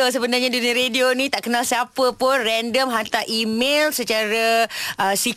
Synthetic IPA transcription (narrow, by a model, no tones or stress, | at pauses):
os̬əbənarɲãdunəɾedionĩt̪aʔkənalsiapəpʊnrɛndəmɦant̪aʔimelsət͡ʃaɾaʔəsi